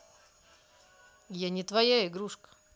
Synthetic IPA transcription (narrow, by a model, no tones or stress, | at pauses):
janʲɪt̪vɐjaɪɡɾuʂkə̥